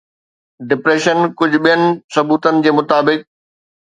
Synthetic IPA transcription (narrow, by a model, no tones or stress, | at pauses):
ɖɪpɾeːʃənkʊd͡ʑʱɓijənɪ̆sɐbuːt̪ənɪ̆d͡ʑeːmʊt̪aːbɪk̚